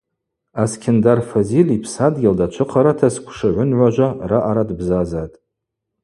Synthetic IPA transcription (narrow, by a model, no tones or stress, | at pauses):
askʲʰɪndarfozilipʰsadɡʲɪldat͡ʃʷʰɨqʰaɾatʰaskʷʰʂaʕʷʊnʕʷaʒʷaraʔaɾadbzazatʼ